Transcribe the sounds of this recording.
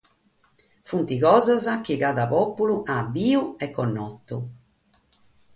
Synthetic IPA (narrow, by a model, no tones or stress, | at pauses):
funt̪iɣɔːzazak̟iɣaːðapɔpːuluʔabːiːuɛkːɔnːɔt̪ːṵ